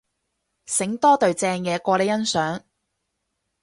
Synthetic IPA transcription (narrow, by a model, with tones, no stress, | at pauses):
sɪ˨˥ŋt̪ɔː˥t̪ɵ˨ɥt͡sɛː˧ŋjɛː˨˧kɔː˧le˨˧jɐ˥nsœː˨˥ŋ